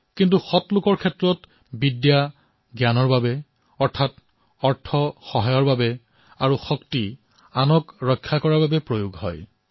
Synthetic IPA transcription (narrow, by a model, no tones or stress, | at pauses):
kintuxɔtlʊkɔɹkʰɛtːɹɔt | bidja | ɡjanɔɹbabɛ | ɔɹtʰat | ɔɹtʰɔxɔɦajɔɹbabɛ | aɹuxɔkti | anɔkɹɔkʰːjakɔɹababɛpɹojuɡhɔ̰j